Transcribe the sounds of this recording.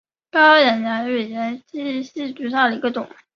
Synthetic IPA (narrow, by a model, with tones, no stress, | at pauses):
kɑ˥jɛ˨˩njɛ˧˥nɥe˨˩ɪjɛ˧˥nt͡ɕi˥ɕi˥˩t͡ɕy˧˥ɕ̬a˥˩d̪ə˩i˧˥ɡə˧ʈ͡ʂʊ˨˩˦